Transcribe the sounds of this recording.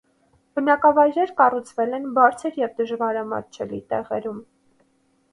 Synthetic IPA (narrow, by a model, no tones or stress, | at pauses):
b̥ənɑkɑvɑjɾɛɾkɑrut͡sʰvɛlɛnbɑɾt͡sʰəɾjɛvd̪əʒvɑɾɑmɑ̰t͡ʃʰɛlit̪ɛʁɛɾum